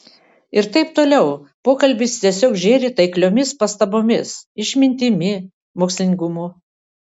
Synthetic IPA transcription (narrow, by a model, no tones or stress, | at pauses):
ɪɾt̪ɐɪpt̪oːlʲɛʊpoːkɐlʲbʲɪst̪ʲiɛsʲoːkʒʲeːɾʲɪt̪ɐɪklʲoːmʲɪspɐst̪ɐboːmʲɪsɪʃʲmʲɪnʲt̪ʲɪmʲɪ | moːksʲlʲɪnʲɪɡʊmuː